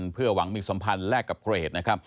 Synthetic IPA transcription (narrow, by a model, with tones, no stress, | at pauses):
npʰɯ˥˩ɐwa˩˦ŋmiː˧so˩˦mpʰa˧nlɛː˥˩kːa˨˩p̚kʰɾa˧ʔeː˨˩t̪̚na˦˥kʰɾa˦˥p̚